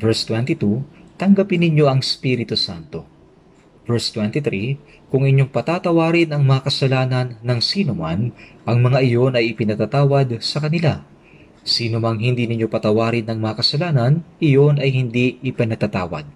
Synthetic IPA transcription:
vɛɹst̪wɛnt̪it̪ut̪ɐŋɡɐpɪnːɪɲo̞ʔɐŋspiɾɪt̪usant̪o̞ | vɛɹst̪wɛnt̪it̪ɾi | kʊŋɪɲo̞ŋpɐt̪aːt̪ɐwaːɾɪnɐŋmɐŋɐkɐsɐlaːnɐnːɐŋsiːnʊmanʔɐŋmɐŋaʔɪjo̞nɐjɪpɪnɐt̪at̪aːwɐd̪̚sɐkɐnɪla | siːnomɐŋɦɪnd̪iːnɪɲo̞pɐt̪ɐwaːɾɪnɐŋmɐŋɐkɐsɐlaːnɐnʔɪjo̞nɐjhɪnd̪iɪpɪnɐt̪ɐt̪a̰ːwɐ̰d̪̚

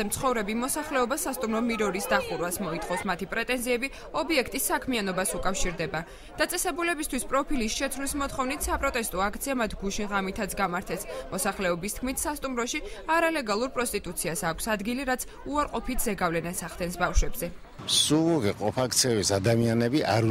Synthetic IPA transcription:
ɛmt̪sʰχɔvɾɛbimɔsaχlɛɔbasast̪ʼumɾɔmiɾɔɾisd̪aχuɾwasmɔit̪ʰχɔsmat̪ʰipʼɾɛt̪ʼɛnziɛbi | ɔbiɛkʰt̪ʼisːakʰmianɔbasukʼafʃiɾd̪ɛba | d̪̥at̪sʼɛsɛbulɛbist̪ʰwispʼɾɔpʰilisʃɛt̪ʰvlismɔt̪χɔvnit̪ʰsapʼɾɔt̪ʼɛst̪ʼɔak̚ʰt̪sʰiamat̪ʰɡuʃinʁamit̪ʰat̪sɡamaɾt̪ʰɛsmɔsaχlɛɔbist̪̚ʰkʰmit̪ʰsast̪ʼumɾɔʃiaɾalɛɡalˠuɾpʼɾɔst̪ʼit̪ʼut̪sʰiasaːkʷʰsad̪ɡiliɾat̪sʰ | uaɾqʼɔpʰit̪ʰz̥ɛɡavlɛnasaχd̪ɛnsbafʃwɛbzɛ | suuʁiqʼɔpʰak̚t̪sʰɛbisad̪amianɛbiaɾ

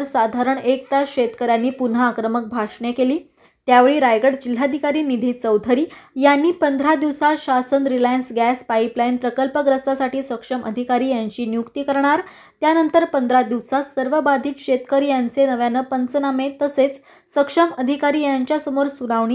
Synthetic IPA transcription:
ɾsad̪ʱaɾəɳek̚t̪aɕet̪kəɾjanːiːpun̤əːkɾəmək̚bʱaʂɳekeliː | t̪jaʋeɭiːɾajɡəɽd͡ʑil̤ːad̪ʱikaɾiːnid̪ʱiːt̪t͡səwd̪ʱəɾiːjanːiːpənd̪ʱɾad̪iʋsaɕasənɾilajənsɡæspaiplajnpɾəkəlpəɡɾəst̪asaʈiːsəkʂəmʔə̰d̪ʱikaɾiːjaɲt͡ɕiːnjukt̪iːkəɾɳaɾ | t̪janənt̪əɾpənd̪ʱɾad̪iʋsasəɾʋəbad̪ʱiːk̪ɕet̪kəɾijant͡senəʋjanəpənt͡sənamet̪əset͡s | səkʂəməd̪ʱikaɾiːjaɲt͡ɕjasəmoɾsuɽaʋɳ̃iː

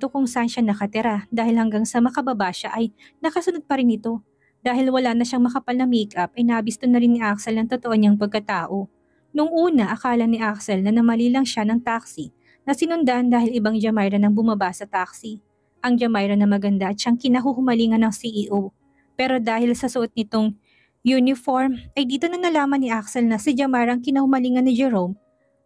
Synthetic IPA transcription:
t̪okʊŋsaʔnʃanɐkɐt̪ɪɾad̪aːhɪlhɐŋɡaŋsɐmɐkɐbɐbaːʃaʔɐj | nɐkɐsʊnod̪̚pɐɾɪnɪt̪o̞ | d̪̥aːhɪlwɐlaːnɐʃaŋmɐkɐpalnɐmiːkʔɐp̚ʔɐjnɐʔɐbist̪onɐɾɪnːɪʔak̚sɛlnɐŋt̪ot̪oʔoɲaŋpɐɡ̚kɐt̪aːʔo̞ | nʊŋʔuːnɐʔɐkaːlɐnːɪʔak̚sɛlnɐnɐmɐlilɐŋʃanɐŋt̪aksi | nɐsɪnʊnd̪aʔɐnd̪aːhɪlɪbaŋd͡ʒɐmajɾɐnɐŋbʊmɐbasɐt̪ak̚si | ʔɐŋd͡ʒɐmajɾɐnɐmɐɡɐnd̪aʔɐt̪̚ʃaŋkɪnɐɦuhʊmɐliːŋɐnɐŋsiʔiʔu | pɛːɾo̞d̪aːhɪlsɐsɐʔot̪̚nɪt̪o̞ŋ | junɪfoɹmʔɐjd̪iːt̪o̞nɐnɐlaːmɐnːɪʔaksɛlnɐsɪd͡ʒɐmajɾɐŋkɪnɐhʊmɐliːŋɐnːɪd͡ʒɛɾowm

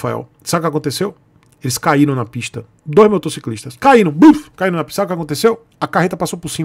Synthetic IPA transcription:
faɛ̰w | sabʊkʲakõnt̪esew | elɪskaiɾɐ̃w̃nɐpiʃt̪ɐ | d̪ojzmot̪osikliʃt̪ɐskaiɾɐ̃w̃bufkaiɾɐ̃nɐpisabjʊkakõnt̪esew | ɐkaɦet̪ɐpasowpʊɾsĩ

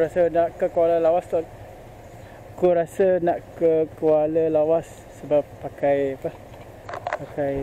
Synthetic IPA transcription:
ɾasənaʔkəkəaləlawast̪ɔ | kuɾasənaʔkəkuwaləlawasːəbapːakajapah | pakaj

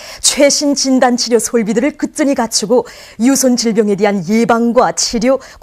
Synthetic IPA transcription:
t͡ɕʰwe̞ɕʰint͡ɕindant͡ɕʰiɾjosʰoɭbidɯɾɯɭkɯt͈ɯɲikat͡ɕʰiɡo | jusʰont͡ɕiɭbjʌŋe̞dwe̞ɦanje̞baŋɡwat͡ɕʰiɾjo | k

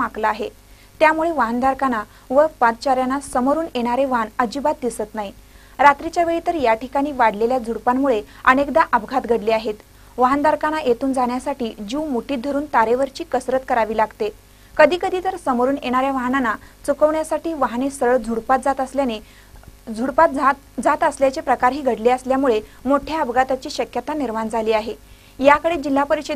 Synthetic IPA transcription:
maklaːɦe | t̪jamuɭeʋaɦənd̪ʱaɾkana | ʋəpãt͡st͡ɕaɾjanːasəməɾuːneɽ̃aɾeʋaɦnəd͡ʑibat̪̚d̪isət̪naɦi | ɾat̪ɾit͡ɕjaʋeɭit̪əɾjaʈikaɽ̃iːʋaɽleljad͡zʱuɽpamːuɭeənekd̪aʔəbɡʱat̪ɡʱəɽleaɦet̪ | ʋaɦənd̪ʱaɾkanajet̪uːnd͡zaɳjasaʈiːd͡ʑiwmuʈiːt̪̚d̪ʱəɾuːnt̪aɾeʋəɾt͡ɕiːkəsɾət̪kəɾaʋiːlaɡt̪e | kəd̪ʱiːkəd̪ʱiːt̪əɾsəmoɾuːnjeɽ̃aɾjaʋaɦnanːat͡sukəʋɳjasaʈiːʋaɦnesɾəɭd͡zʱuɽpat̪̚d͡zat̪əsljane | d͡zʱuɽpat̪̚ | d͡zat̪əsljat͡ɕepɾəkaɾɦiːɡʱəɽleəsljamuɭe | moʈʰjaəbɡʱat̪at͡ɕiːɕəkjət̪aniɾmand͡zʱaliːaɦe | jakəɽed͡ʑilːapəɾiɕe

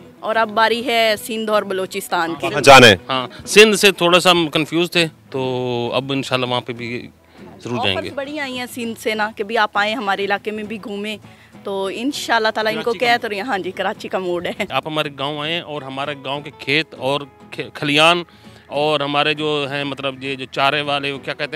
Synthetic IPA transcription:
ɔːɾɐbːaːɾiɦɛsɪ̃nd̪ʱɔːɾbɐloːt͡ʃɪst̪aːnkĩd͡ʒaːnɛ̃ɦãːsɪ̃nd̪set̪ʰoːɽasakənfʰjuːzt̪ʰeːt̪oːɐ̰bɪnʃaːlːaʋɐɦãpebʱi | zəɾuːɾd͡ʒa̰ːḛ̃əːɡḛbɐɽ̤iaːĩɦɛ̃sɪ̃nd̪seːnakebʱiaːpaːẽɦɐmaːɾeɪlaːkemẽbʱiɡʱuːmẽː | t̪oːɪnʃaːəlːat̪aːlaɪnkokɛɦɛt̪ojɐɦãd͡ʒikɐɾaːt͡ʃikamoːɖɦɛːaːpɦɐmaːɾeɡãːõaːẽɦɛ̃ʔɔːɾɦɐmaːɾeɡãːõkekʰeːt̪ɔːɾ | kʰkʰɐlijaːn | ɔːɾɦɐmaːɾed͡ʒoːɦɛ̃ːmɐt̪ləbjed͡ʒoːt͡ʃaːɾeʋaːleokjaːkɛɦt̪e

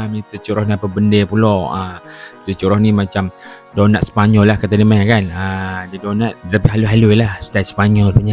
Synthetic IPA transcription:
mit̪ət͡ʃuɾɔhnapəbəndepulɔət̪ət͡ʃuɾɔhnimat͡ʃam | donat̪̚sə̥paɲɔlːahkat̪animanakanədidonat̪̚ət̪apiɦaluɦaluilahst̪at̪̚spaɲɔlpuɲa

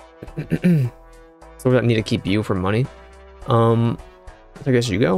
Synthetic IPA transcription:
soʊðɨtnid̚tʰɨkʰipjɨfə˞mʌɾ̃i | ʔʌ̃m | saɪɡɛs̬jɨɡoʊ

